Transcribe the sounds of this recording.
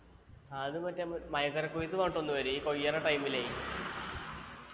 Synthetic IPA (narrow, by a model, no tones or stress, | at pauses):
ɐðɨmɐtːemɐjɐkɐrɐkːojt̪ːɨʋaːʈːo̞nːuʋɐɾuko̞jːɐrɐʈɐjmːileː